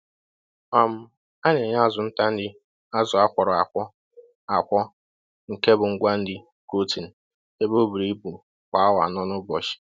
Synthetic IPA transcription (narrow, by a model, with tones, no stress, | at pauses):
ɔ˨m̩˦ | a˦ɲe˨ɲa˦a˦˨zʊ˨n̩˦ta˦n̩˦dɪ˦ | a˦zʊ˨a˦kʷɔ˨ɾɔ˨a˨kʷɔ˦ | a˨kʷɔ˦ | ŋ̩˨ke˦bʊ˨ŋ̩˦ɡʷa˦n̩˦dɪ˦ | ko˦ti˨n̩˨ | e˦bo˦bu˨ɾi˦bu˨ | kʷa˨a˦wa̰˨nɔ˦nʊ˦bɔ˨ʃi̥˨